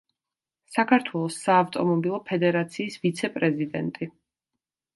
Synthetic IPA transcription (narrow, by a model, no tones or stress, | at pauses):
sakʰaɾt̪ʰwɛlˠɔsːaːft̪ʼɔmɔbilˠɔpʰɛd̪ɛɾat̪sʰiːsvit̪sʰɛpʼɾɛzid̪ɛnt̪ʼi